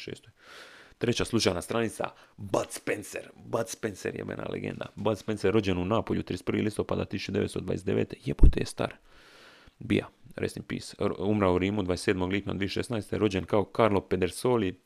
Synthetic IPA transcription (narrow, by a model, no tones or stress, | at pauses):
ʃḛːst̪ojt̪ɾet͡ɕaslˠut͡ʃajnast̪ɾanit̪sa̰bat̪spenseɾbat̪spenseɾjḛmḛna̰lḛɡḛnd̪a̰bat̪spenseɾɾo̞d͡ʑenunaːpoʎut̪ɾiespr̩ʋilist̪o̞pad̪at̪isu̥t͡ʃud̪eest̪od̪ʋa̰jesd̪eʋḛːt̪ejepot̪ejest̪a̰ɾ | bija̰ɾḛsnimpḭːsumɾauɾiːmud̪ʋaːjeseːd̪mo̞ɡliːpna̰d̪ʋieʃḛsnajst̪eɾo̞d͡ʑenkaokaɾlo̞ped̪eɾsoːli